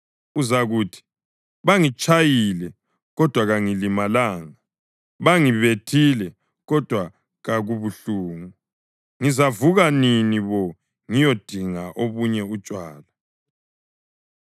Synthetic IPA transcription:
uzaɣuːtʰi̥ | βaŋit͡ʃʼajilɛ | ɣɔd̥ʱwaɣaŋilimalaːŋa | βaŋiβetʰilɛ | ɣɔd̥ʱwa | ɣaɣuβuɬuːŋu | ŋizavuɣaniniβɔ | ŋijod̥ʱiŋaʔoβuɲɛut͡ʃʼwaːla

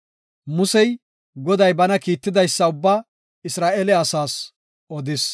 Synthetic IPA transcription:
mʊsɛj | ɡɔd̪ɐjbɐnɐkiːt̪ːɪd̪ɐjsːɐʊbːaː | ɪsɾaːʔɛlɛɐsaːs | ʔɔd̪ɪs

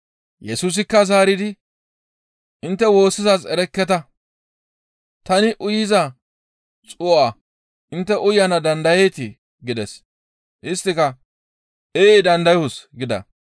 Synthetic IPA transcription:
jɛsuːs̬ɪkːɐzaːɾɪd̪ɪ | ʔɪnt̪ːɛwo̞ːsːɪzasɛɾɛkːɛt̪ɐ | t̪ɐnɪʔʊjɪzɐ | t͡sʼʊʔa | ʔɪnt̪ːɛʔʊjɐnɐd̪ɐnd̪ɐjejt̪ɪ | ɡɪd̪ɛs | ʔɪst̪ːɪkɐ | eːɪd̪ɐnd̪ɐjʊsɡɪd̪ɐ̰

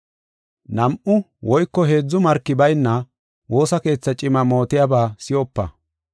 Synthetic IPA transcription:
nɐmʔʊ | wɔjkːɔɦe̞ːd͡zːʊmɐɾkːɪbɐjnːɐ | wo̞ːsɐke̞ːt͡sːɐt͡ʃʼɪmɐmo̞ːt̪ɪjabaːsɪjɔpːɐ̰

